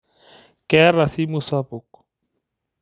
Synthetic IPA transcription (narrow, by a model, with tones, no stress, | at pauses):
kɛ˦ɾa˨si˦mu˦sa˦bu˨k